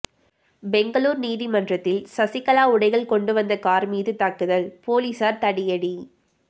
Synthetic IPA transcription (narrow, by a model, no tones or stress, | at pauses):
bɛŋɡɐɭuːɾniːðimɐndrɐt̪ːɪlsɐsɪkːɐlaːʊɽɐɪɣɐɭkɔɳɖɯʋɐnd̪ɐkaːɾmiːðɯt̪ɐkːɯðɐɭpoːliːsaːɾt̪ɐɽɪjɐɽi